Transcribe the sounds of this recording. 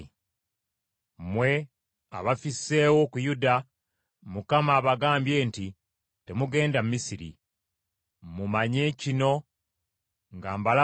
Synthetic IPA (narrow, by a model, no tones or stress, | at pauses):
mwe̞ | a̰βafisːe̞ːwo̞kujuda | mukamaːβaɡaːmbje̞ːnti | te̞muɡe̞ːndamumisiɾḭ | mumaɲe̞cino̞ | ŋɡaːmbala